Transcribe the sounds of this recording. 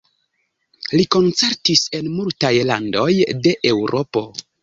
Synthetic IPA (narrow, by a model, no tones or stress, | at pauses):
liko̞nt͡se̞ɾtise̞nmultajla̰ndo̞jde̞ʔewɾo̞po̞